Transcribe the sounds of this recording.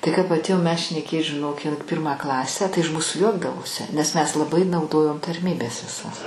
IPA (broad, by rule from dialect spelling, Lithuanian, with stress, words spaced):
tɐɪ kɐp ɐtʲˈeːjoːm mʲɛs ʃʲnʲɛˈkʲeːt ʒʲɪˈnoːk ɪn ˈpʲɪrmɑː ˈklˠɑːsʲæː tɐɪ ɪʃ ˈmuːsʊ ˈjuɔɡdɐʋoːsʲɪ nʲɛs mʲɛs lˠɐˈbɐɪ nɐʊˈdoːjoːm tɐrʲˈmʲiːbʲɛs ʋʲɪˈsɐs